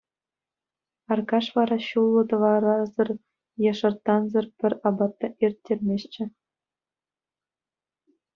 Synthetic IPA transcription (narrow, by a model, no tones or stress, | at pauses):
ɑrkɑʂʋɑɾɑɕulˠːɤ̆t̪ɤ̆ʋɑɾɑzɤ̆r | jɑʂɤ̆rt̪ːɑnzɤ̆rpʲɘ̆rʲɑbɑt̪ːɑʔerʲt̪ʲːerʲmʲeɕt͡ɕɘ̆